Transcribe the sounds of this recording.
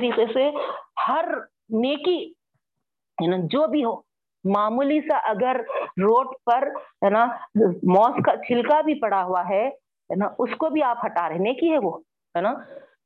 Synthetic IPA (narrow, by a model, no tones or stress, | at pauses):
ɾiːqesehɐɾ | neːki | ɦɛːnad͡ʒoːbʱiɦoː | maːmuːlisaʔɐɡəɾːoːʈpɐɾɦɛːnaːmɔːskat͡ʃʰɪlkabʱipɐɽaɦuaɦɛ | ɦɛnaʔʊskobʱiaːpɦɐʈaːɾeɦẽneːkiɦɛʋoː | ɦɛːnaː